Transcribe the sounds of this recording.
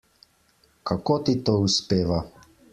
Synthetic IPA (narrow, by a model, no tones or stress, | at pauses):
kakoːt̪it̪oːuspeːʋa